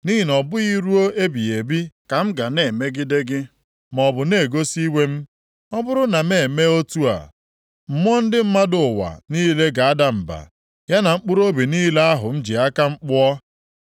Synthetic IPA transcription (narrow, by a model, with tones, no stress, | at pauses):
ni˦ɦi˨nɔ˨bʊ˦i˦ɾu˦o˦e˦bi˨e˨bi˦ka˨m̩˦ɡa˨ne˨me˦ɡɪ˦de˦ɡɪ˦ | mɔ˨bʊ˨ne˦˨ɡo˦si˦we˦m̩˦ | ɔ˦bʊ˦ɾʊ˦na˨me˦˨e˨me˦o˦tu˦a̰˨ | m̩˨m˦ɔ˦n̩˦dɪ˦m̩˦ma˦dʊ˨ʊ˨wa̰˨niː˦le˦ɡa˨a˦da˨m̩˨ba̰˨ | ja˦na˨ŋ͡m̩˦k͡pʊ˦ɾo˦bi˨niː˦le˦a˦ɦʊ˨n̩˦d͡ʒi˨a˦ka˦ŋ͡m̩˦k͡pʊ˦ɔ˦